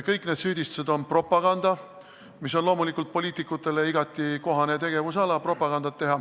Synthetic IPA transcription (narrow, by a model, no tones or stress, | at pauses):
kɤjkne̞ːd̪syːd̪̥ʲist̪u̥se̞d̪̥o̞npro̞pːˑɑɡ̥ɑnd̪̥ɑ | mis̬o̞nlo̞ːmulikːˑult̪̚po̞lʲiːt̪ˑikˑːut̪ːˑe̞le̞iɡɑt̪ːˑiko̞ɦɑnet̪e̞ɡ̥e̞vus̬ɑlɑpro̞pːˑɑɡ̥ɑnd̪ɑt̪ːe̞ɦɑ